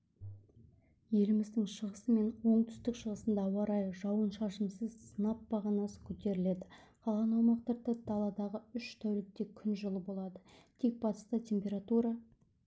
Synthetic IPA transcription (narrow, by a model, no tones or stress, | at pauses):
je̞lɪmɪzd̪ɪŋʃəʁəsəme̞nwo̞ɴt̪ʰʏ̥st̪ɪkʃəʁəsənd̪ɑwɑɾɑjʒɑwənʃɑʃəmsəzsənɑp̚bɑʁɑnɑsə̥kʲʰɵt̪e̞ɾɪle̞d̪ɪqʰɑlˠʁɑnɑwmɑqt̪ɑɾd̪ɑd̪ɑlˠɑd̪ɑʁəʏʃt̪ʰæwlɪk̚t̪e̞kʲʰʏnʒəlˠəbo̞lˠɑd̪ət̪ʰe̞k̚b̥ɑt̪ə̥st̪ət̪ʲʰe̞mpʲe̞ɾat̪uɾɑ